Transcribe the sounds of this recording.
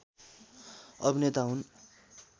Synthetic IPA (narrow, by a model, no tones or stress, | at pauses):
ʌbʱinet̪aɦun